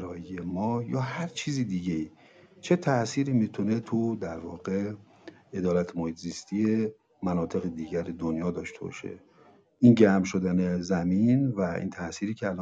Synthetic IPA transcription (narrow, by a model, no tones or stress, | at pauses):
ɾɒːjijemɒːjɒːhæɾt͡ʃʰiːziːd̪iːɟei | t͡ʃʰe̞t̪ʰæʔsiːɾiːmiːt̪ʰunet̪ʰud̪æɾvɒːɣ̥e | ed̪ɒːlæt̪ʰemohiːt̪ʰziːst̪ʰie | mænɒːt̪ʰe̞ɣed̪iːɟæɾed̪onjɒːd̪ɒːʃt̪ʰebɒ̰ʃḛ | ʔinɟæmʃo̞d̪ænezæminvæḭːnt̪ʰæʔsiːɾiːcʰeælɒː